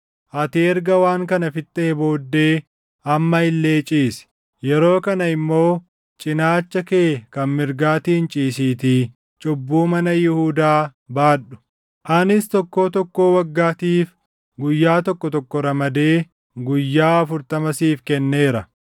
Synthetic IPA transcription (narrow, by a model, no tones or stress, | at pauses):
ʔɐt̪ɪɛɾɡɐwaːŋkɐnɐfɪt̪ʼːe̞ːbo̞ːd̪ːe̞ː | ɐmːɐɪlːe̞ːt͡ʃʼiːs | jɛɾo̞ːkɐnɐɪmːo̞ː | t͡ʃʼɪnaːt͡ʃːɐkeːkɐnmɪɾɡaːt̪iːnt͡ʃʼiːsiːt̪iː | t͡ʃʼʊbːuːmɐnɐjɪhuːd̪aːbaːɗʊ̥ | ʔɐnɪst̪ɔkːoːt̪ɔkːo̞ːwɐɡːaːt̪iːf | ɡʊjːaːt̪ɔkːɔt̪ɔkːɔɾɐmɐd̪e̞ː | ɡʊjːaːɐfʊɾt̪ɐmɐsiːfkɛnːe̞ːɾɐ